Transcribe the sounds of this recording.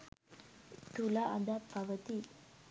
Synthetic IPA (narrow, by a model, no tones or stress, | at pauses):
t̪ulaʔad̪apaʋət̪i